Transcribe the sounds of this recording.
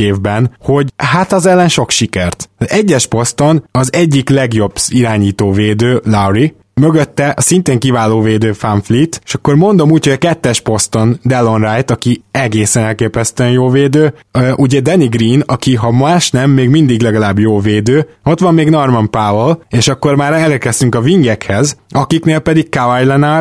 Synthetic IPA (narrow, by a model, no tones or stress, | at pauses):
eːvbɛnho̞ɟhaːt̪ɒzɛlːɛnʃo̞kʃikɛrt̪ɒzɛɟːɛʃpo̞st̪o̞nɒzɛɟːiklɛɡjo̞bːiɾaːɲiːt̪oːveːd̪øːlawri | mø̞ɡøt̪ːɛʔɒsint̪eːŋkivaːlːoːveːd̪øːfaɱflit̪eʃɒkːo̞rmo̞nd̪o̞muːchoɟɒkɛt̪ːɛʃpo̞st̪o̞nd̪ɛlo̞nrajt̪ɒkiɛɡeːsɛnɛlkeːpɛst̪yɛnjoːlveːd̪øːʔuɟɛd̪ɛniɡriːnɒkiɦɒmaːʃnɛmːeːɡmind̪iɡlɛɡɒlaːbjoːlveːd̪øː | o̞t̪ʋɒmːeːɡnormɒmpaːoleːʃɒkːo̞rmaːɾɛleːrkɛst̪yŋkɒviŋɡɛkhɛzɒkikneːlpɛd̪ikkavajlɛnar